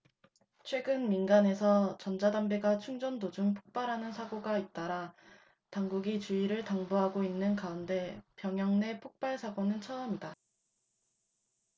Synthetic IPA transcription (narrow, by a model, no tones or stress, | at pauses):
t͡ɕʰwe̞ɡɯnminɡane̞sʰʌt͡ɕʌnd͡ʑadambeɡat͡ɕʰuŋd͡ʑʌndod͡ʑuŋpʰo̥k̚p͈aɾɦanɯnsʰaɡoɡait̚t͈aɾa | taŋɡuɡit͡ɕuiɾɯɭtaŋboɦaɡoinːɯnkaunde̞pjʌŋjʌŋne̞pʰok̚p͈aɭsʰaɡonɯnt͡ɕʰʌʌmida